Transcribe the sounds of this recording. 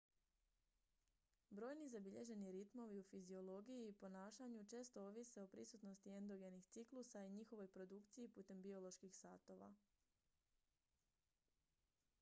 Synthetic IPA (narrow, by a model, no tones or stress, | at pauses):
bɾo̞ːjnizabiʎe̞ʒe̞niɾit̪mo̞ʋiufizio̞lˠo̞ɡijiːpo̞naːʃaɲut͡ʃe̞ːst̪o̞oʋiseo̞pɾisut̪no̞st̪ie̞nd̪o̞ɡe̞nixt̪siklusaiɲixo̞ʋo̞jpɾo̞d̪ukt̪sijipuːt̪e̞mbio̞lˠo̞ʃkixsat̪o̞ʋa̰